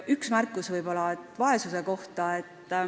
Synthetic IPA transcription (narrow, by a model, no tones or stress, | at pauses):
yksmærkːˑusvɯjbo̞lɑet̪ːˑvɑe̞suse̞ko̞ht̪ɑet̪ː